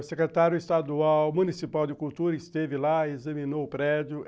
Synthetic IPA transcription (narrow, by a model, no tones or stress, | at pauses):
sekɾet̪aɾjʊest̪ad̪uawmunisipawd͡ʒ̪ɪkuwt̪uɾɐɪst̪evɪlaezɐmĩnowʊpɾɛd͡ʒʊ